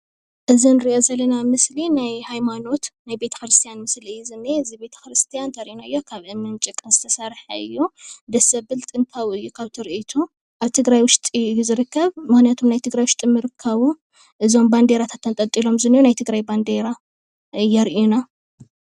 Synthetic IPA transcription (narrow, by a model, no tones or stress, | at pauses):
ʔɨzinɨɾiʔozɐlːɐnamɨslinajhajmano̞t̪najbe̞t̪ʰɐ̥xɾɨst̪ʰijanmɨsliɨjːuzɨnːeɨzibe̞t̪ʰɐ̥xɾɨst̪ʰijant̪ʰɐɾiʔinaɨjːokʰaβʔɨmɨnt͡ʃʼɨkʼːɨnzɨ̥t̪ʰɐsaɾħaɨ̰jːud̪ɐsɐbɨlt̪ʼɨnt̪ʰawɨjːukʰaβt̪ʰɨɾit̪ʰu | ʔaβt̪ʰɨɡɾajwʊʃt̪ʼijuzɨɾɨkʰːɐβmɨxnijat̪ʰomnajt̪ʰɨɡɾajwʊʃt̪ʼimɨɾɨkʰːɐβu | ʔɨzo̞mband̪eɾat̪ʰḁt̪ːɐnt̪ʼɐt̪ʼilo̞mzɨnːiunajt̪ʰɨɡɾajband̪eɾa | ʔɨjːaɾʔiuna